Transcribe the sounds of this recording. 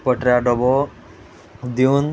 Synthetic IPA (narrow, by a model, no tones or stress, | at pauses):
pəʈɾaɖɔbɔ | d̪iun